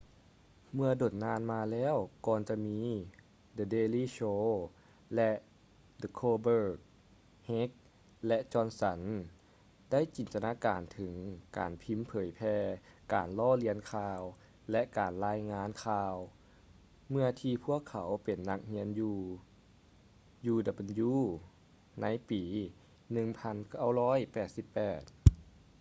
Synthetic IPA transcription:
mɯ˧ɐdo˨˩t̪̚naː˧˥nmaː˧lɛː˧˥˨wkɔː˨˩nt͡ɕa˧˨miː˧˥ | dɤː˧deː˧liː˥˨ɕoː˧˥ | lɛ˧ʔ | də˧kʰoː˧bɤː˧˩k̚ | he˦˥k̚ | lɛ˧˥ʔt͡ɕɔː˧˥nsa˨˩˦n | da˥˨jt͡ɕiː˨˩nt̪a˧naː˧˥kaː˨˩nt̪ʰɯ˨˩˦ŋka̰ː˨˩npʰi˧˥mpʰɤː˨˩˦jpʰɛː˧ka̰ː˨˩nlɔː˧˥˨li˧˥ənkʰaː˧w | lɛ˧˥ʔkaː˨˩nlaː˧˥jŋaː˧˥nkʰaː˧w | mɯ˧ɐt̪ʰiː˧pʰu˥˩əkʰːa˨˦wpe˨˩nːa˧˥k̚hi˧˥ənjuː˧ | juː˧da˧be˧˨njuː˧˥ | na˧˥jpiː˨˩ | nɯ˧ŋpʰa˧˥nka˥˩wlɔː˥˨jpɛː˨˩t̪̚si˧˦pːɛː˨˩t̪̚

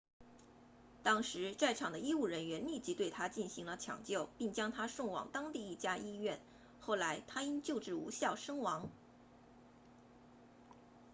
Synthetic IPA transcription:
t̪ɑ˥ŋʂɻ̩˧˥t͡sa˥˩ɪʈ͡ʂʰɑ˨˩ŋd̪ə˦i˥u˥˩ɻə˧˥nɥɛ˧˥nli˥˩t͡ɕi˧˥t̪we˥˩ɪt̪ʰa˥t͡ɕi˥˩nɕi˧˥ŋlə˧t͡ɕʰjɑ̰˨˩ŋt͡ɕjo˥˩ʊpi˥˩ŋt͡ɕjɑ˥ŋt̪ʰa˥ʂʊ˥˩ŋwɑ̰˨˩ŋt̪ɑ˥ŋt̪i˥˧i˥˩t͡ɕja˥ʔi˥ɥɛ˥˩n | xo˥˩ʊla˧˥ɪt̪ʰa˥i˥nt͡ɕjo˥˧ʊʈ͡ʂɻ̩˥˩ṵ˧˥ɕjɑ˥˩ʊʂɤ˥ŋwɑ˧˥ŋ

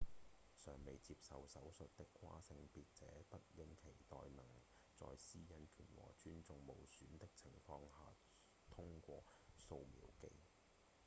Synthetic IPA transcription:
sœː˨˩ŋme˨jt͡siː˧p̚sɐ˨wsɐ˨˥wsɵ˨t̚t̪ɪ˥kʰːʷa̰ː˥sɪ˧ŋpiː˧t̚t͡sɛ̰ː˨˥p̪ɐ˥t̚jɪ˧˥ŋkʰe˨˩jt̪ɔː˨jnɐ˨˩ŋ | t͡sɔ̰ː˧jsiː˥jɐ˧nkʰyː˨˩nwɔ̰ː˨˩t͡ʃyː˥nt͡sʊ˨˧ŋmo˨˧wsyː˨˥nt̪ɪ˥k̚t͡sʰɪ˨˩ŋfɔː˧ŋhaː˨ | t̪ʰʊ˥ŋkʷɔː˧so˧wmḭː˨˥wkḛ˧j

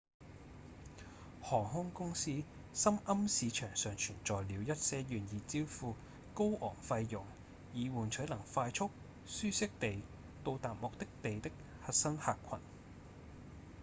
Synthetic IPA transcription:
hɔː˨˩ɦʊ˥ŋkʊ˥ŋsiː˥ | sɐ˥mɐ˥msiː˨˧t͡ʃʰœː˨˩ŋsœː˨ŋt͡ʃʰyː˨˩nt͡sɔː˨jliː˨˧wjɐ˥t̚sɛː˧˥jyː˨njiː˨t͡siː˥wfuː˧ | ko˥wʔɔ̰ː˨˩ŋfɐ˧jːʊ˨˩ŋ | jiː˨˧wuː˨˩nt͡ʃʰɵ˨˥jlɐ˨˩ŋfaː˧jt͡ʃʰʊ˥k̚ | syː˥sɪ˥k̚t̪e˨j | t̪o˧wt̪aː˨t̚mʊ˨k̚t̪ɪ˥k̚t̪e˨jt̪ɪ˥k̚ | hɐ˧t̚sɐ˥ŋhaː˨kʷʰɐ̰˨˩n

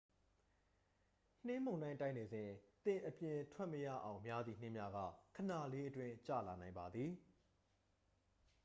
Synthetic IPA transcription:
n̥ɪ̃˦mõ˨nã˦ɪ̃tã˦ɪ̃ne˨zɪ̃˨t̪ɪ̃˨ʔəpjɪ̃˨tʰwɛ˦ʔməjä̰˦˨ʔã˨ʊ̃mja˦d̪ði˨n̥ɪ̃˦˨mja˦ɡa̰˦˨kʰə˨na˨le˦ʔətwɪ̃˦t͡ɕä̰˦˨la˨nã˨ɪ̃mba˨d̪ði˨

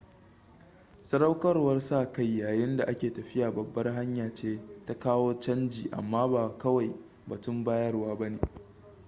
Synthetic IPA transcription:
sɐ˦ɾɐ˦wkɐ˦rwɐ˦rsaː˦˨ka˦˨jːaː˨jɪ˦nda˨ʔa˦kʲeː˨tɐ˨ɸɪ˦jaː˨bɐ˨bːɐ˦rɦa˦ɲjaː˨t͡ʃeː˦ta˦kaː˦woː˦t͡ʃɐ˦nd͡ʒiː˨ʔa̰˨mːaː˦baː˨kɐ˦wa˨j | ba˨tʊ˦mbaː˦jɐ˦rwaː˦bɐ˦neː˨

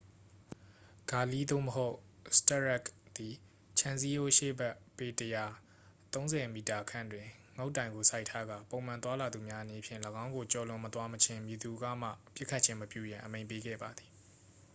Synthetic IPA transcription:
ɡ̥a˨li˦d̪o̰˦˨məɦo˦ʊsta˦˨ɹɛ˦˨kd̪̥i˨ | t͡ɕʰã˨nzi˦jo˦ʔʃḛ˦˨bɛ˦ʔpe˨təja˨ | t̪õ˦ʊ̃zɛ˨mi˨ta˨kʰã̰˦˨ndwɪ̃˨ŋo˦ʊtːã˨ɪ̃ŋɡo˨sa˦ɪtʰa˦ɡä̰˦˨põ˨ʊ̃mã˨t̪̬wa˦la˨d̪u˨mja˦ʔəne˨pʰjɪ̰̃˦˨ləɡã˦ʊ̃ŋɡo˨t͡ɕɔ˨lʊ̃˨mət̪wa˦mət͡ɕʰɪ̃˦˨mji˨d̪u˨ɡa̰˦˨m̥ä̰˦˨pjɪ˦ʔkʰːa˦t̚t͡ɕʰɪ̃˦məpjṵ˦˨jã˨ʔə˨mẽ˨ɪ̃pe˦ɡɛ̰˦˨ba˨d̪i˨

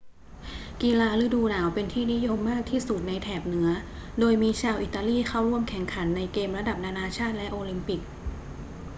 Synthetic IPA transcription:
ki˧laː˧ɾɯ˦˥duː˧naː˩˦wpe˧nt̪ʰiː˥˩ni˦˥jo˧mːaː˥˩k̚t̪ʰiː˥˩su˨˩t̪̚na˧jt̪ʰɛː˨˩p̚nɯ˩˦ɐ | doː˧jmiː˧t͡ɕʰaː˧wʔi˨˩t̪ːaː˧liː˥˩xʰa˥˩wɾu˥˩əmkʰɛ˨˩˦ŋkʰa˩˦nːa˧jkeː˧mɾa˧da˨˩p̚naː˧naː˧t͡ɕʰaː˥˩t̪̚lɛ˦˥ʔoː˧li˧mpi˨˩k̚

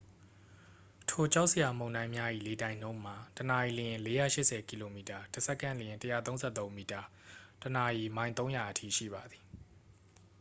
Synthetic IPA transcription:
tʰo˨t͡ɕa˦ʊʔsə˨ja˨mõ˨ʊ̃ndã˦ɪ̃mja˦ʔḭ˦˨le˨tã˨ɪ̃n̥õ˦ʊ̃m̥a˨təna˨ji˨lə˨jɪ̃˨le˦jä̰˦˨ʃɪ˦ʔsɛ˨ki˨lo˨mi˨ta˨tə˨sɛ˦kːã˦˨nlə˨jɪ̃˨ntə˦ja̰˦˨t̪õ˦nz̥ɛ̰˦˨t̪õ˦ʊ̃mi˨ta˨ | təna˨ji˨mã˦ɪ̃t̪õ˦ʊ̃ja˨ʔətʰḭ˦˨ʃḭ˦˨ba˨d̪ði˨

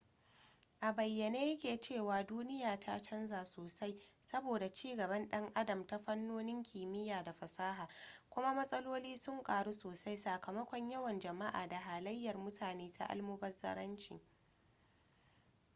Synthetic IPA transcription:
ʔa˨bɐ˨jːɐ˨neː˦jɐ˦kʲeː˨t͡ʃeː˦˨waː˨duː˦nɪ˦jaː˨tʰa˦t͡ʃɐ˦nzaː˨soː˨sa˦jsɐ˦boː˨da˨t͡ʃiː˦ɡɐ˨bɐ˦nɗɐ˦ŋʔa˦dɐ˨mta˦ɸɐ˦nːoː˦nɪ˦ŋkʲiː˨mɪ˦jaː˨da˨ɸɐ˨saː˦ɦaː˨kʷʊ˦ma˦mɐ˦sʼɐ˦loː˦liː˦sʊ˦ŋkʼaː˨ɽu˦soː˨sa˦jsaː˨kɐ˨mɐ˦kʷɔ˦ɲjɐ˦wɐ˨nd͡ʒɐ˨ma˦ʔa̰ː˨da˨ɦaː˨lɐ˦jːɐ˨rmʊ˦tʰaː˨neː˦tʰa̰˦ʔa̰˦lmu˦bɐ˦rzɐ̰˦ɾɐ˦nt͡ʃḭ˨

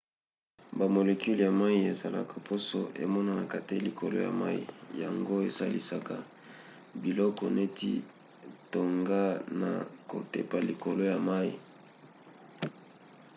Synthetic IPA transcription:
ba˨mo˨le˨ku˦lja˨ma˦i˦e˨za˨la̰˨kʰa˨pʰo˦so˨ʔḛ˨mɔ˦na˨na˨ka˨te˦li˨ko˨lo̰˦ja̰˨ma̰˦ḭ˦˨ja̰˨ŋɡo˦e˨sa˦lḭ˦sa˨ka˨ | bi˨lɔ˦kɔ˨ne˦tḭ˦ | to˨ŋɡa˦na̰˨ko̰˨te˨pa˨li˨ko˨lo˦ja˨ma˦i˨

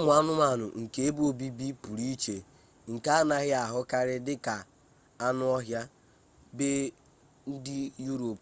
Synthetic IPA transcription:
mʊ˨˦a˦nʊ˦ma˦˨nʊ̰˨ŋ̩˨ke˦e˦bu˦o˦˨bi˦bi˦pu˨ɾi˦t͡ʃe˨ | ŋ̩˨ka˦a˦na˨ɣɪ˦a˨ɦʊ˦ka˦ɾɪ˦dɪ˦ka˨ | a˦nʊ˦ɔ˦ɦja˦ | be˦ | n̩˦dɪ˦ju˦ɾo˨p

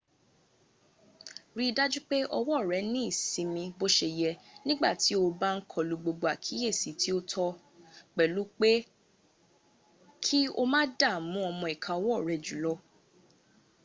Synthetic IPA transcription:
ɾi˦˧da˦d͡ʒu˦k͡pe˦ʔɔ˧wɔ˦˨ɾɛ˨˦nĩ˦i˦˨sĩ˨˧mĩ˧bo˦ʃe˧˨jɛ˧nĩ˦ɡ͡ba̰˦˨ti˨˦o˧ba˦ŋ̩˦kʰɔ˦˨lu˧ɡ͡bo˧ɡ͡bo˨a˨kʰi˨˦e˦˨si˨˦tʰi˦o˦tʰɔ˧ | k͡pɛ˨lu˨˦k͡pe˦ | kʰi˦o˦mã˦da˦˨mũ˨˦ɔ˧mɔ̃˧˨i˨kʰã˨ɔ˧wɔ˦˨ɾɛ˨d͡ʒu˨lɔ˦

